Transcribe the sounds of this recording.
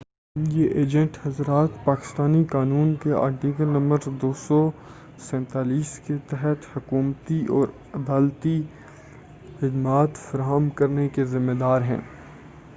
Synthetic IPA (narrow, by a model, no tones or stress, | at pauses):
jeʔeːd͡ʒə̃ɳʈhɐzɾaːt̪paːkɪ̥st̪aːnikaːnuːnkea̰ːɾʈiːkəlnɐ̃mbəɾd̪oːsɔ | sɛ̃ːnt̪aːliːsket̪ɛɦɛt̪hʊkuːmt̪iʔɔːɾ | ɐd̪aːlt̪i | xɪd̪maːt̪fɐɾaːɦəmkɐɾnekezɪmːed̪aːɾɦɛ̰̃ː